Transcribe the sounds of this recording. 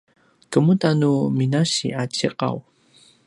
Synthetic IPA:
kəmutanuminaɕḭʔat͡ɕiqa̰w

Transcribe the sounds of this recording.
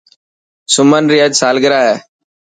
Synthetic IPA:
sʊmənɾɪjaːd͡ʒsaːlɡɪɾaːɦɛː

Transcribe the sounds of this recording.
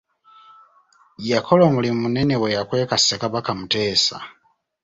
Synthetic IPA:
jakʰolomulimunenewejakwe̞ːkasekaβakamuteːsa̰

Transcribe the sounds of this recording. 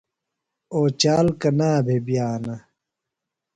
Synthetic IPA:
oːt͡ɕaːlkɐnaːbʱebjaːnɐ

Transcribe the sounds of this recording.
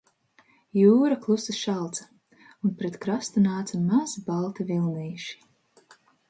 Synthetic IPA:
juːɾaklˠusɨʃalˠt̪sa | unpɾet̪kɾast̪unaːt̪samazbalˠt̪avilˠniːʃi̥

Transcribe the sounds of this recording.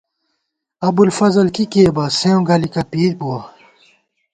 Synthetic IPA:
ɐbulfɐzɐlkikeːbɐseõɡɐlikɐpiːɾbuɐ

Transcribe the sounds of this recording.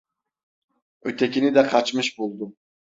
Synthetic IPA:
øt̪ʰɛkʲinɪd̪ɛqʰɑt͡ʃmɨʃbolˠd̪u

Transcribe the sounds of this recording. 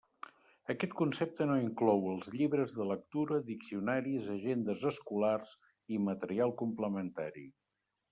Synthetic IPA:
əkɛt̪kunsep̚t̪ənoiŋklɔwəlˠzʎiβɾəzðələk̚t̪uɾəðiksiunaɾizəʒend̪əzəskularz | imət̪əɾialˠkumpləmənt̪aɾḭ

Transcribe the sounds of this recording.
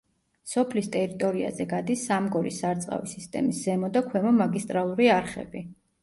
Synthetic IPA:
sɔpʰlist̪ʼɛɾit̪ʼɔɾia̰zɛɡad̪isːamɡɔɾisːaɾt̪sʼqʼa̰visist̪ʼɛ̰misz̥ɛmɔd̪akʰwɛmɔmaɡist̪ʼɾalˠuɾiaɾχɛ̰bi

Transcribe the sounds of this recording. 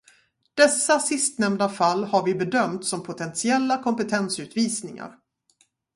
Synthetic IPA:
d̪̥ɛsːasɪst̪nɛmd̪afalːhaɾvɪbɛd̪œmt̪sɔmpʰʊt̪ʰɛnsɪɛlːakʰɔmpət̪ʰɛnsʉ̟ːt̪viːsnɪŋa̰ɾ

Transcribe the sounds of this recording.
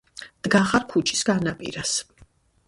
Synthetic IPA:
d̪̥ɡaχaɾkʰut͡ʃʰi̥sɡ̥anapʼḭɾas

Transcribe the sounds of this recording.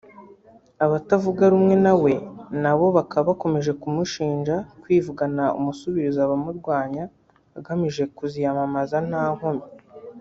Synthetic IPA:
aβatavuɡaɾumŋe̞nawe̞naβo̞βakʰaβako̞me̞ʒe̞kumuʃiːɲʒakwiːvuɡanaṵmusuβiɾizaβamuɾɡwaːɲa | aɡamiʒe̞kuzijamamazan̥aːhomi

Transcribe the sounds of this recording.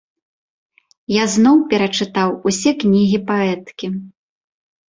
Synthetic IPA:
jaznɔwpʲɛɾɐt͡ʂɨt̪awusʲɛknʲiɣʲipaɛt̪kʲi

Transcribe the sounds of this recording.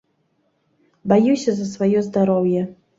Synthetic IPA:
bajuwsʲɐzɐsvajɔzd̪aɾɔwjɛ

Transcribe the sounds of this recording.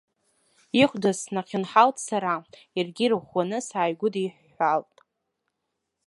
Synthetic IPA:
iχʷdasnaqʲʰɪnħaltʼsaɾa | arɡʲirɨʁʷwanɨsaːjɡʷʊdiħːaltʼ

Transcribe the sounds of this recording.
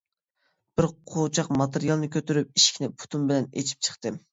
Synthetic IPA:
b̥ɪɾqʰot͡ʃʰɑqmɑt̪eɾijɑlˠnɨkʲʰøt̪yɾyp̚iʃkʲʰinɪpʰu̥t̪ʰunbɪlɛnḛt͡ʃʰi̥p̚t͡ʃʰə̥χt̪ɨ

